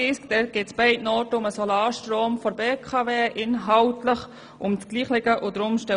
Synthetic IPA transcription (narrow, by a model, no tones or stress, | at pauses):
ɪskd̥̪ɛɡ̥ɪtsb̥ɛɪtnɔːtəʊməsɔlaːʃtɾoːmfɔɾbeːkʰɑveːʔɪnɦaltləχ | ʔʊmt͡sɡ̥liːχlɪɡəʔʊd̪ɾʊmʃtɛ